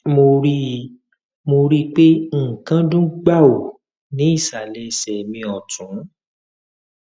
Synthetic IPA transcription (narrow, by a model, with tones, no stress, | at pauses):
mo˧ɾi˦˧ | mo˧ɾi˦k͡pe˦ŋ̩˦˨kã˦dũ˦ɡ͡ba˦˨o˨ | nĩ˨˦i˦˨sa˨lɛ˧sɛ˨mĩ˧ɔ˨tũ˨˦